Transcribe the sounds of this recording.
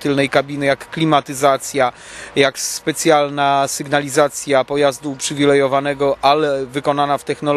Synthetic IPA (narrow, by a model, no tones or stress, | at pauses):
t̪ɘlnɛjkabʲinɘjakːlʲimat̪ɘzat̪sʲja | jakspɛt̪sʲjalnasɘɡnalʲizat̪sʲjapɔjazd̪uːpʂɘvʲilɛjɔvanɛɡɔʔalɛvɘkɔnanaft̪ɛxnɔl